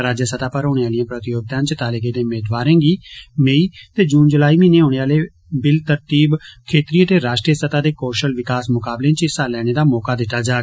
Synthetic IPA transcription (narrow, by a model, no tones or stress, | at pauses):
ɾaːd͡ʒjəsət̪aːpəɾoːɽeːaːlɪãːpɾət̪ɪjoːɡ̚t̪ãːnt͡ʃət̪aːleɡeːd̪eːmeːd̪ʋaːɾẽːɡiːmeːiːt̪eːd͡ʒuːnd͡ʒəlaːiːmĩːneːɦoːɽ̃eːaːleː | bɪlt̪əɾt̪iːbkʰeːt̪ɾiːət̪eːɾaːʃʈɾiəsət̪aːd̪eːkoːʃəlʋɪkaːsmʊkaːblẽːt͡ʃɪsaːlɛːɽ̃eːd̪aːmɔːkaːd̪ɪt̪ːaːd͡ʒaː